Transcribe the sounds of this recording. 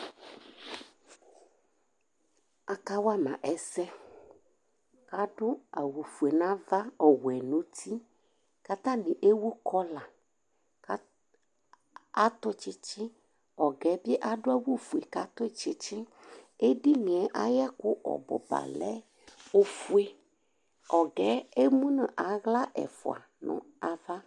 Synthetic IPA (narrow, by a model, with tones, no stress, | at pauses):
a˨ka˦wa˦mã̰˨ʔɛ˦sɛ˦ | ka˨dʊ˦a˨wu˨fu˨e˨nã˦va˦ɔ˨wɛ˨no˦tʰi˦ | ka˦t̪a˦nɪ˨ʔe˦wu˦kʰɔ˦la˨ | k | a˦t̪ɔ˦t͡ʃɪ˦t͡ʃɪ˦ | ɔ˨ɡɛ˨˦bi˦e˦ʔa˨ɖʊ˦a˦wu˦fu˨e˨ka˦t̪ɔ˦t͡ʃɪ˦t͡ʃɪ˦ | e˦ɖi˦nĩ˨ɛ˨ʔa̰˦ja˦kʊ˦ʔɔ̰˨bʊ̰˦ba̰˨lɛ̰˦ | o˦fu˦e˦ | ɔ˨ɡɛ˦e˦mũ˦nə̃˨ʔa˨ɣla˦ʔɛ̰˨fo̰˨a̰˨ | nʊ̰̃˦a˦va˦